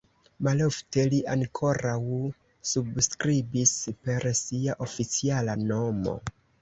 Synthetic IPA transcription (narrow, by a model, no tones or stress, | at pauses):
malo̞fte̞liʔaŋkʰo̞ɾaw | subskɾibispe̞ɾsiaʔo̞fit͡sialano̞mo̞̰